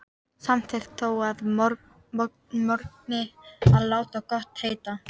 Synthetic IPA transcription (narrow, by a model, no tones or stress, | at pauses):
samtθʰɛxt̪θowaðɾ | mɔɾknɪaðlaːwt̪akɔht̪heːjt̪a